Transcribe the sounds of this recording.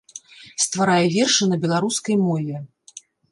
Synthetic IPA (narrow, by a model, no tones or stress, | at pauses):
st̪vaɾajɛvʲɛrʂɨnɐbʲɛlˠaɾuskɐjmɔvʲɛ